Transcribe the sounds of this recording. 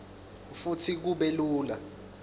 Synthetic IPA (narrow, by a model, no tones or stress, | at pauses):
futʰik̬uɓeluːla̰